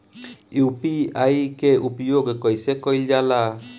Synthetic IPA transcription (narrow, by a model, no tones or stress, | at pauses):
jupiajkeupɔjoɡkɔjsekɔjld͡ʒala